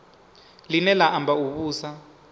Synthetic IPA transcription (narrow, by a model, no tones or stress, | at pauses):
linɛlaʔambʱauɓuːsa